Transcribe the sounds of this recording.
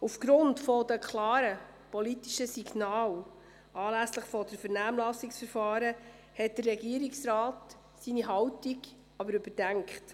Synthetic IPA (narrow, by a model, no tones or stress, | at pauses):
ufɡ̥ɾʊntfɔd̪əkʰlɑːɾə | pɔlitiʃəsiɡnɑːl | ɑːlæsləχfɔd̥əɾfəɾnæːmlɑsiksfəɾfɑːɾə | hɛt̚d̥ərːɛɡiəɾiksɾɑːt | siniɦɑwtiɡ | ɑbəɾʉbəɾd̥æŋkχt